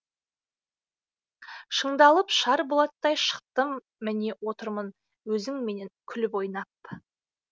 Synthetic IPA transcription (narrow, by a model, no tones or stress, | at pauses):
ʃəɴd̪ɑlˠəpʃɑɾbolˠɑt̪ːɑjʃə̥q̚t̪əmː | ɪne̞wo̞t̪əɾmən | wɵzɪŋme̞ne̞ŋkʲʰʏlɪpo̞jnɑp̚